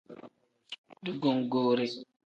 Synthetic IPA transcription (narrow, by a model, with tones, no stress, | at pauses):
du˦ɡo˨ŋɡoː˦ɾe˦